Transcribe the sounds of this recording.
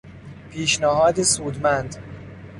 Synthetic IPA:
pʰiːʃnæɦɒːd̪esuːd̪mænd̪

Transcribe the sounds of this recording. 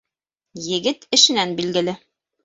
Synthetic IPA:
jɘ̆ɡɘt̪ɘ̆ʃɘ̆nænbilɡɘ̆lɘ

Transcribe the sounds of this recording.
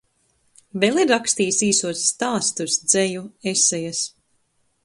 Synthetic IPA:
velˠiɾakst̪iːsiːsuɔsːt̪aːst̪usd̪z̥ɛjuesɛjas

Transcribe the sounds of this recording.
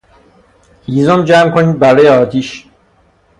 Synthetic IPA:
hizomd͡ʒæmkʰoniːd̪̚bæɾɒːjeɒːt̪ʰiːʃ

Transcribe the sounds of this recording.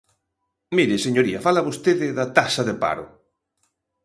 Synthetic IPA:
miɾɪseɲoɾiɐfalaβost̪eðɪðat̪asɐðepa̰ɾʊ̰

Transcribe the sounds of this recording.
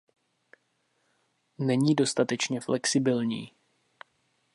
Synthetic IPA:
nɛɲiːdo̞st̪at̪ɛt͡ʃɲɛflɛksɪbɪlɲḭː

